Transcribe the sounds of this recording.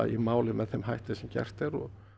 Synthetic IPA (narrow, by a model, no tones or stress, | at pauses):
imaːwlɪmɛðθɛmɦajht̪ɪsɛmcɛ̰r̥t̪ɛɾɔ